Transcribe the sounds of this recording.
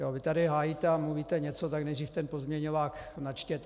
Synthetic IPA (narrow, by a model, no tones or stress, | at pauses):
jovɪt̪adɪɦaːjit̪ɛamluviːt̪ɛɲɛt͡sot̪aknɛjd̪riːft̪ɛnpozmɲɛɲovaːknat͡ʃcɛt̪